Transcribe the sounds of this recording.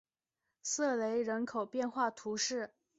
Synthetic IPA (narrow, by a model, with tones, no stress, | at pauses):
sɤ˥˩le˧˥ɪɻə˧˥nkʰo˨˩ʊpjɛ˥˧nxwa˥˩t̪ʰu˧˥ʂɻ̩˥˩